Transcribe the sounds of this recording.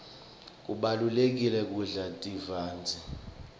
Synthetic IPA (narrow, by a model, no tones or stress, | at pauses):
k̬ʼuɓalulek̬ilɛk̬ʼuɮatʼivaːnd͡zʱi